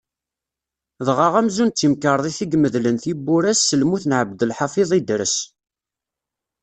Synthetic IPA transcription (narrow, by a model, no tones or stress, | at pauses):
ðʁəʁæmzunt͡sːimkəɾˤðˤiθiɡməðlənθibːʊɾæsːəlmuθnʕəbd̪əlħɑfiðˤid̪ɾəs